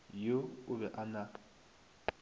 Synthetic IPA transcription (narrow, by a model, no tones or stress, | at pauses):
joʊβɛʔana